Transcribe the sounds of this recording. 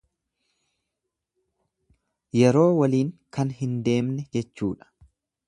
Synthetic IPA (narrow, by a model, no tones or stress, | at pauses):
jɛɾo̞ːwɐliːŋkɐnhɪnd̪e̞ːmnɛd͡ʒɛt͡ʃːuːᶑɐ̥